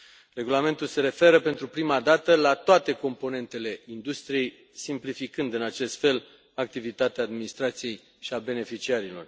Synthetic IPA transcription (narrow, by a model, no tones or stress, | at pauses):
re̞ɡulame̞nt̪ulse̞ɾe̞fe̞ɾəpe̞nt̪ɾupɾimad̪at̪əlat̪oat̪e̞ko̞mpo̞ne̞nt̪e̞le̞ind̪ust̪ɾije̞j | simplifikɨnd̪ɨnat͡ʃe̞st̪fe̞l | ak̚t̪ivit̪at̪eaːd̪minist̪ɾat̪sije̞j | ʃiabe̞ne̞fit͡ʃiaɾilo̞r